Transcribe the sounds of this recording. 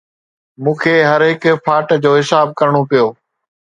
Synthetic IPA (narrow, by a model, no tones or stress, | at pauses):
mũːkʰeːɦɐɾɦɪkpʰaːʈd͡ʑoːɦɪsaːb̚kɐɾɽ̃opijoː